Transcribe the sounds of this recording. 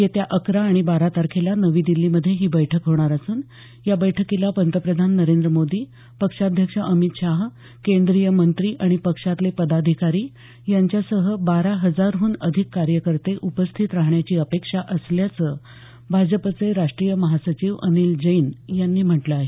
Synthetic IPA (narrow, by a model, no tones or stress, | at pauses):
jet̪jaʔəkɾaːɽ̃ibaɾat̪aɾkʰelanəʋiːd̪ilːiməd̪ʱːjeɦiːbəjʈʰəkɦoɽ̃aɾasuːn | jabəjʈʰəkilapənt̪əpɾəd̪ʱanːəɾend̪ɾəmod̪iː | pəkʂad̪ʱjəkʂəʔəmit̪ɕaɦ | kend̪ɾijəmənt̪ɾiːʔaɽ̃ipəkʂat̪lepəd̪ad̪ʱikaɾiː | jaɲt͡ɕjasəɦəbaɾaɦəd͡zaɾɦuːnəd̪ʱikːaɾjəkəɾt̪eʔupəst̪ʰit̪ɾaɦɳjat͡ɕiːəpekʂaʔəsljat͡sə | bʱad͡ʑəpət͡seɾaʂʈɾijəməɦasət͡ɕiːʋənild͡ʑəjnjanːiːm̤əʈləaɦe